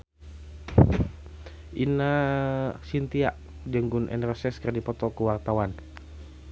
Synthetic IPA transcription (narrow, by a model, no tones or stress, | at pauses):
ʔina | sint̪iaʔ | d͡ʒəŋɡʊnʔɛ̰nrɔsɛskərdipɔt̪ɔkəwart̪awan